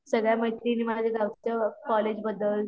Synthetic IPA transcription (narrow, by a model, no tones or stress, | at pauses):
səɡɭjaməɦit̪ɾiːniməlad͡ʑ̪eɡaʋt͡səkɔled͡ʑbəd̪əl